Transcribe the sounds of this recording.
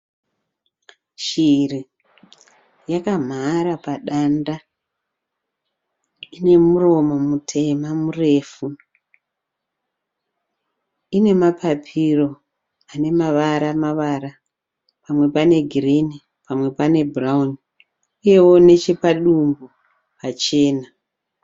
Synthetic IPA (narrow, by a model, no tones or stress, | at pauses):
ʃiri | jakam̤aɾapaɗanda | ine̞muro̞mo̞mutʰe̞mamure̞ːfu | ine̞mapʰapʰiro̞ | ane̞maʋaɾamaʋaɾa | pamwe̞pane̞ɡʱirini | pamwe̞pane̞burauni | ije̞wo̞ne̞t͡ʃepaɗumbu | pat͡ʃe̞ːna